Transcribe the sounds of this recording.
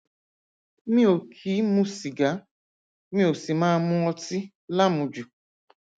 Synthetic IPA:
mi˦o˨kʰi˨˦mu˦si˨ɡa˨˦ | mĩ˦o˨si˨ma˦mʊ̃˦ɔ˦ti˦ | la˦mʊ˨d͡ʒu˨

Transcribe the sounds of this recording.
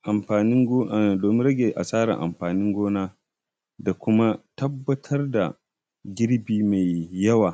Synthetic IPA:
ʔa˨mɸaː˨nɪ˦ŋ˦˨doː˨mɪ˦ɾɐ˦ɡʲe˨ʔa̰˨sʼaː˦ɽa̰˨ʔa̰˨mɸaː˨nɪ˦ŋɡʷoː˦naː˦ | da˨kʷʊ˦ma˦tɐ˦bːɐ˦tʰɐ˦rda̰˨ | ɡʲɪ˦ɾbiː˦ma˨jːɐ˦waː˨

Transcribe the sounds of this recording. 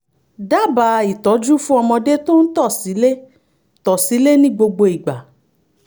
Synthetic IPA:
da˦˨ba˨i˨tɔ˨˦d͡ʒu˦fũ˦ɔ˧mɔ̃˧de˦to˦n̩˦tɔ˦˨si˨˦le˦ | tɔ˨si˨˦le˦nĩ˦ɡ͡bo˧ɡ͡bo˧i˨ɡ͡ba˨

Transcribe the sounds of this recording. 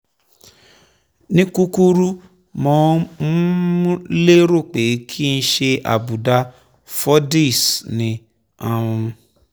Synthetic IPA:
nĩ˦ku˦ku˦ɾu˦ | mɔ̃˨˦mũ˦ | le˦ɾo˦˨k͡pe˨˦kʰi˦˧n̩˧ʃe˧ʔa̰˨bu˨da˧ | fɔ˦di˦˨snĩ˨ | ã˨ũ˧

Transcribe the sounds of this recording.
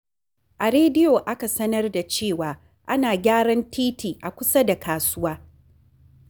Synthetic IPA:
ʔa˨ɾeː˦dɪ˦joː˨ʔa˦ka˨sɐ˦nɐ˦rda˨t͡ʃeː˦˨waː˨ | ʔa˦naː˨ɡʲaː˦ɽɐ˦ntʰiː˦tʰiː˨ʔa˨kʷʊ˦sa˦da˨kaː˨sʊ˦waː˦

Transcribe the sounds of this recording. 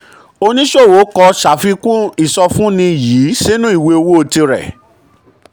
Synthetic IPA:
o˧nĩ˦ʃo˦˨wo˨˦kɔ˧ʃa˨fi˧kũ˦i˦˨sɔ˧fũ˦nĩ˧˨ji˨˦si˦nũ˦i˦˨we˧o˧wo˦o˧ti˧ɾɛ̰˨

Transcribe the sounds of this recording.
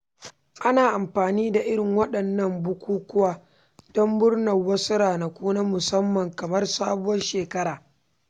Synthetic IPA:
ʔa˦naː˨ʔa˨mɸaː˨niː˦da˨ʔɪ˦ɽɪ˨ŋwɐ˦ɗɐ˨nːɐ˦˨mbʊ˦kʷuː˦kʷʊ˦waː˦ | d̥ɔ˦mbʊ˦rnɐ˨wɐ˦sʊ˦ɾaː˨na˨kʷuː˦naː˦mʊ˨sɐ˦mːɐ˨ŋkɐ˨mɐ˦rsaː˦bʊ˦wɐ˦nʃeː˨kɐ˦ɾaː˨

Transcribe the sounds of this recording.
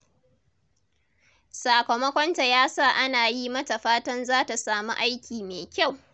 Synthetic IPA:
saː˨kɐ˨mɐ˦kʷɔ˦nta˨jaː˦saː˦˨ʔa˦naː˨ji˦mɐ˦ta˨ɸaː˦tɐ˦nzaː˦ta˨saː˨mṵ˦ʔa˦jkʲiː˨meː˨kʲa˦˨w

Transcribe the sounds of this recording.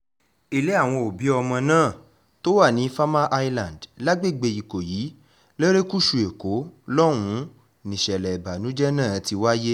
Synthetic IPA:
i˧le˦a˦˨w̃ɔ̃˧o˨bi˨˦ɔ˧mɔ̃˧nãː˦˨ | to˦wa˦˨nĩ˨˦fa˦ma˦ʔa˦˧i˦lã˨n˨dla˦ɡ͡be˦˨ɡ͡be˧i˨ko˨jiː˨˦ | le˦ɾe˦ku˦ʃu˨e˨ko˨˦lɔ˦ɾ̃ũ˧˦ | nĩ˨ʃɛ˨lɛ˨i˨ba˨nũ˨˦d͡ʒɛ˦nãː˦˨˦ti˧wa˦je˦

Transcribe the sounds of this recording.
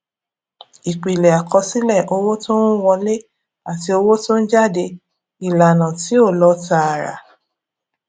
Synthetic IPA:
i˨k͡pi˨lɛ˨a˨kʰɔ˧si˦lɛ˦˨ʔo˧wo˦tõ˦n̩˦wɔ̃˧le˦ | a˨ti˧˦o˧wo˦tõ˦n̩˦d͡ʒa˦˨de˧ | i˨la˨nã˨ti˨˦o˦˨lɔ˧ta˧a˨ɾa̰˨

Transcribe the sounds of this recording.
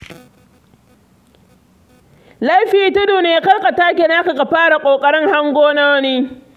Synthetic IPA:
la˦jɸiː˨tʊ˦duː˨neː˨jkɐ˦lka˨taː˦k̬ʲe˨naː˦ka˨ɡa˨ɸaː˦ɽa˨kʷʼoː˨kʼɐ˦ɽɪ˦ŋha˦ŋɡʷoː˦na˦wniː˦

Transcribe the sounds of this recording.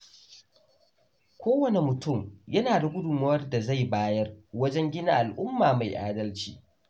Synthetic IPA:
kʷʰoː˦wɐ˨ne˨mʊ˨tʊ˦˨mjɐ˦naː˨da˨ɡʷʊ˦dʊ˨mɐ˦wɐ˦rda˨za˦˨jbaː˦jɐ˦rwɐ˦d͡ʒɛ˦ŋɡʲɪ˦na̰˦ʔa˨lʔʊ˦mːaː˨ma˨jʔaː˦dɐ˦lt͡ʃiː˦

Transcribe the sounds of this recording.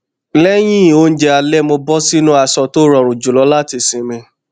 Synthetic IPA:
lɛ˦j̃ĩ˦˨o˧˦˧n̩˦d͡ʒɛ˧a˧lɛ˦mo˧bɔ˦si˦nũ˦a˦˨sɔ˧to˦ɾɔ̃˨ɾ̃ũ˨d͡ʒu˨lɔ˨˦la˦ti˦˧˨sĩ˨mĩ˧

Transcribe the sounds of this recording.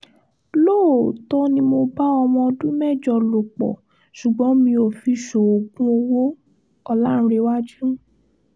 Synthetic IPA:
lo˦˨tɔ˧˦nĩ˧mo˧ba˦ɔ˧mɔ̃˧ɔ˧dũ˦mɛ˦˨d͡ʒɔ˨lo˨k͡pɔ̰˨ | ʃu˨ɡ͡bɔ̃˨˦mĩ˧o˨fi˧ʃo˨o˨ɡũ˦o˧wo˦ | ɔ˧lã˦˨˧ɾe˧˦wa˦d͡ʒũ˦

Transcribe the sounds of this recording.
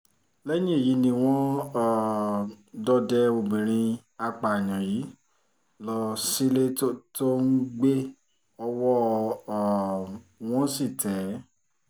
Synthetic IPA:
lɛ˦jĩ˦e˦˨ji˨˦nĩ˧w̃ɔ̃˦˨ | dɔ˦dɛ˦o˧bĩ˨ɾ̃ĩ˧ | a˧k͡pa˨j̃ã˨ji˨˦ | lɔ˧si˦le˦o˦to˦n̩˦ɡ͡be˦ | ɔ˧wɔ˦˨ | w̃ɔ̃˦si˦˨tɛ˨˦

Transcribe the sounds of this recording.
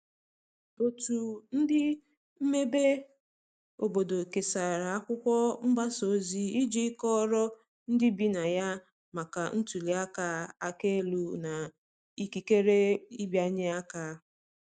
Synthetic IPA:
o˨tu˨n̩˦dɪ˦ | m̩˦me˦be˦ | o˨bo˨do˨ke˨sa˨ɾa˨a˦kʷʊ˦kʷɔ˦m̩˦ba˦so˨˦zi˦i˦d͡ʒi˦kɔ˦ɾɔ˦ | n̩˦dɪ˦bi˦na˨ja˦ | ma˨ka˨n̩˦tu˨li˨a˦ka˦a˨ke˦lu˨na˨ | i˨ki˨ke˦ɾe˦i˦bja˦ɲɪ˦a˦ka˦

